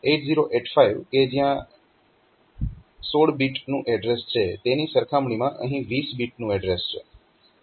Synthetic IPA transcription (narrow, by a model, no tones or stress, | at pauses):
eʈziɾoʔeʈfaiʋked͡ʒjã | soɽbiʈnũʔɛɖɾest͡ʃʰet̪enisəɾkʰamɽimãʔəɦĩʋisbiʈnũɛɖɾest͡ʃʰḛ